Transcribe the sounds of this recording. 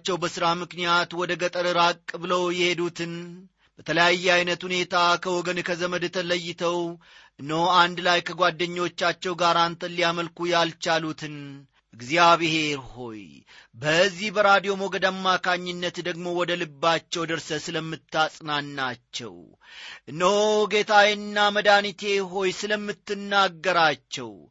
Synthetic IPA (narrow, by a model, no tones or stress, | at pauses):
t͡ʃːɛwbəsɨɾamɨknijat̪wɔd̪əɡət̪ʼəɾɨɾakʼːɨbɨləwjɛhe̞d̪ut̪ʰɨn | b̥ət̪ʰələjajːɛajnət̪hune̞t̪ʰakʰəwɔɡənkʰəzəməd̪t̪ʰələjːɪt̪ʰəw | ʔɨnowand̪lajkʰəɡʷad̪ːəɲːo̞t͡ʃːat͡ʃːɛwɡaɾant̪ʰəlːijaməlkujalt͡ʃalut̪ʰɨn | ʔɨɡziaβehe̞ɾho̞̰j | bəzːihbəɾad̪ijo̞moɡəd̪amːakʰaɲːɨnːət̪d̪əɡmo̞wɔd̪əlɨbːat͡ʃːɛwd̪əɾsəsɨləmːɨt̪ːasʼnanːat͡ʃːɛ̰w | ʔɨnəwɡe̞t̪ʰajɛnːaməd̪anit̪ʰe̞ɦo̞jsɨləmːɨt̪ːɨnːaɡːəɾat͡ʃːɛ̰w